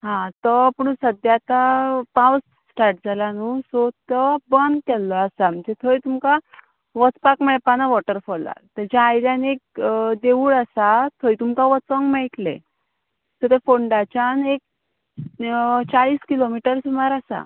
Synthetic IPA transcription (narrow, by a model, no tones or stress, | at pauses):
ɦãt̪əpuɳ̃usəd̪jat̪apãws | sʈaɾʈ̚d͡zʱalanusot̪əbənd̪̚kɛlːɔasaməd͡ʑet̪ʰəjt̪umka | ʋət͡spakmɛɭpanaʋɔʈəɾfɔa̰t̪əd͡ʑaːjɾjanek̚d̪eʋuːɭasat̪ʰəjt̪umkaʋət͡səŋɡmɛiʈlḛ | sət̪efoɳɖat͡ɕanek̚ | t͡ɕaɭiːskilomiʈəɾsumaɾasa̰